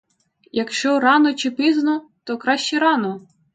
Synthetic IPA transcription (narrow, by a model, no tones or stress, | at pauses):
jɐkʃt͡ʃɔɾɑnɔt͡ʃɪpiznɔt̪ɔkɾɑʃt͡ʃɛɾɑnɔ